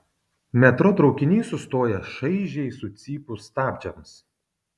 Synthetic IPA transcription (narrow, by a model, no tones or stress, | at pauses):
mʲɛt̪ɾɔt̪ɾɒʊkʲɪnʲiːsʊst̪oːjɛʃɐɪʒʲɛɪsʊt̪sʲiːpʊst̪ɑːbʲd͡ʒʲɛms